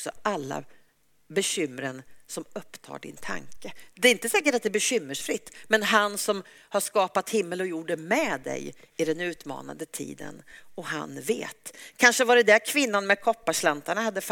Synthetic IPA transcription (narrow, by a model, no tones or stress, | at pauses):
ksɔʔalːa̰ | bɛɕʏmːəɾənsɔmɵpːt̪ʰɑ̰ːɖɪ̰nt̪ʰa̰ŋkəd̪ɛɾɪnt̪əsɛːk̬əʈat̪̚ɛbɛɕʏmːəʂfɾɪt̪ːmɛnɦansɔm | haʂkɑːpat̪hɪmːəlɔjuːɖəmɛd̪ɛ̰jɪd̪ɛnʉ̟ːt̪mɑ̰ːna̰d̪ət̪ʰḭːd̪ə̰nɔha̰nvḛːt̪kʰanʂəvaɾəd̪ɛkʰvɪnːanmɛd̪kʰɔpːaʂlant̪aɳahad̪ːəf